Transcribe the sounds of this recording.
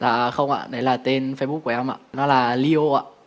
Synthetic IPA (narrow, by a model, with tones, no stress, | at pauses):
laː˨˩xə˧wŋ͡mʔa̰ː˧˨ɗə˨˦jlaː˨˩t̪e˧nfe˧ɓ̚ku˩˨˩ɛ˧mʔa̰ː˧˨nɔ˨˦laː˨˩li˧o˧ʔa̰ː˧˨